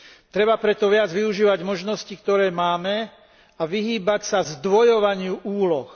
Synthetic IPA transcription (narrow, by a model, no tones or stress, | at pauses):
t̪ɾɛbapɾɛt̪ɔʋɪad͡zʋiuʒiːʋaɟmɔʒnɔscikt̪ɔɾɛːmaːmɛ | aʋiɦiːbacsazd̪ʋɔjɔʋaɲɪuʔuːlɔx